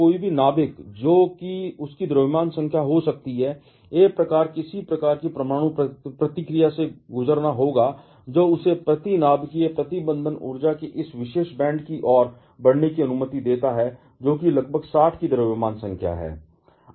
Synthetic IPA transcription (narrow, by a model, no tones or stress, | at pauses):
koːibʱinaːbɪkd͡ʒoːkiʊskid̪ɐɾəʋɪmaːnsə̃ŋkʰjaɦosɐk̚t̪iɦɛː | eːk̚pɾɐkaːɾkɪsipɾɐkaːɾkipɾɐmaːɽ̃ũpɾɐt̪ɪkɾijaseɡʊzəɾnaɦoːɡa | d͡ʒoːʊsepɾɐt̪inaːbkiepɾɐt̪ɪbə̃nd̪ʱənʊ̰ɾd͡ʒakeʔɪsʋɪʃeːʃbɛ̃ːɳɖkiʔɔːɾ | bɐɽnekiɐnʊmət̪id̪eːt̪aɦɛ | d͡ʒoːkilɐɡbʱəɡsaːʈʰkid̪ɐɾʋɪmaːnsɐ̃ŋkʰja̰ɦɛ̰ː